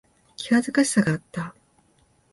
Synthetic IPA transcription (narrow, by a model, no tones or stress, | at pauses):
kʲiβazɨkaɕi̥saɡaːt̪ːa